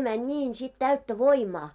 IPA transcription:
mænʲ nʲiːn sit tæytːæ ʋoimɑː

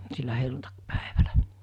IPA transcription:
silːæ helːuntɑkpæ̥e̥ʋ̥æ̥l̥æ̥

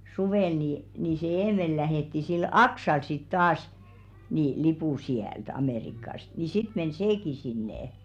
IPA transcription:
suʋeˑl niˑ niː se eːmel læheˑtːi sil ɑksɑl sit tɑːs ni lipuˑ siælt ɑmeˑrikɑst ni sit men seːki sinːeˑ

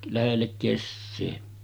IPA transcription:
læhelːek kesːeː

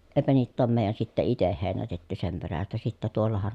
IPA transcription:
eˑpæ niːtː oːm meˑi̯jˑæn sitːe iteh heˑi̯nætetːy sem peræstæ sitːæ tuolːɑhɑn

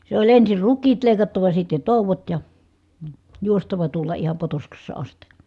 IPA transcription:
se olʲ ensir rukˑiːt leˑi̯kɑtːɑʋɑ sitːe toˑuʋot jɑ juostɑʋɑ tuolːɑ ihɑm potoskɑsːɑ ɑsti

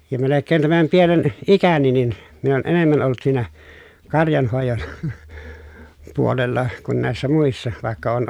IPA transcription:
jɑ melekːeːn tæmæm pienen ikæni nin min on enemːæn olˑŭt siːnæ kɑrjɑnhoˑejon puolelːɑ kun næˑesːæ muisːɑ ʋɑˑekːɑ oːn

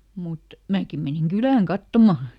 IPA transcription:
mut mæːkim meniŋ ɡ̊ylæːŋ kɑtːomɑˑ

